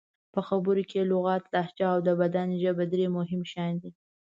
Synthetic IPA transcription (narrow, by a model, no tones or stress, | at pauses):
pəxabəɾokʰelʊɣɑt̪laaht͡ʃɑːwd̪əbad̪anʒəbad̪ɾemʊɦɪmʃɑjnd̪i